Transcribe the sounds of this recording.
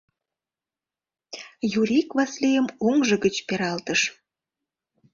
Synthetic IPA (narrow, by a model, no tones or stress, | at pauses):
juɾʲikβɑslijəmoŋʒə̆ɣət͡ɕpeɾɑlt̪əʃ